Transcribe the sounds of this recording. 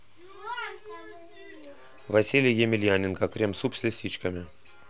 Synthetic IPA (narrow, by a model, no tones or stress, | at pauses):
vasʲilʲɪjjemʲɪlʲjanʲɪnkakɾʲemsupsʲlʲesʲit͡ɕkamʲe